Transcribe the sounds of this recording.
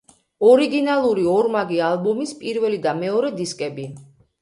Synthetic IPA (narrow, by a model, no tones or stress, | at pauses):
ɔɾiɡinalˠuɾiɔɾmaɡialˠbɔmispʼiɾvɛlid̪amɛɔɾɛd̪iskʼɛbi